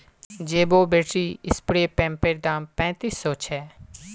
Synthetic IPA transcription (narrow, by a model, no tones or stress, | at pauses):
d͡ʒeːboːbeːʈiːɪspɽeːpɛ̃ːmpeɾd̪ãːpɛ̃ːt̪iːsːɔːt͡ʃʰɛː